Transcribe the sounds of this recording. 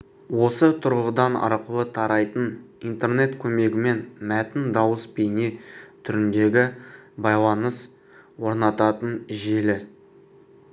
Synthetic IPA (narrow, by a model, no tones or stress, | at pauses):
wo̞sət̪ʰʊɾʁəd̪ɑnɑ̰ɾqəlˠət̪ʰɑɾɑjt̪ənint̪e̞rne̞t̪kʲʰɵme̞ɡʲɪme̞nmæt̪ɪnd̪ɑwəspenet̪ʰʏɾɪnd̪e̞ɡʲɪbɑjlˠɑnəs | wo̞ɾnɑt̪ɑt̪ənʒe̞lɪ